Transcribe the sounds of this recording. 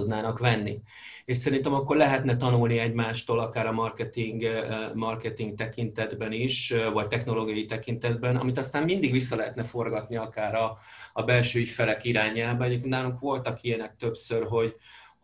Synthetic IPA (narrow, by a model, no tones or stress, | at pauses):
d̪naːnɒkʋɛnːi | eːʃsɛɾint̪ɛmɒkːo̞rlɛɦɛt̪nɛt̪ɒnulniɛɟmaːʃt̪oːlɒkaːɾɒmɒrkɛt̪iŋɡmɒrkɛt̪iŋɡk̚t̪ɛkint̪ɛd̪bɛniʃvɒct̪ɛxno̞loːɡijɒjit̪ɛkint̪ɛd̪bɛnɒ̰mit̪ɒst̪aːmmind̪iɡʋisːɒlɛɦɛt̪nɛfo̞rɡɒt̪niɒkaːɾɒːbɛlʃøːifɛlɛkiɾaːɲaːlbɛɛɟeːp̚keːnnaːluŋkʋo̞lt̪ɒkijɛnɛk̚t̪ø̞psørɦo̞ɟ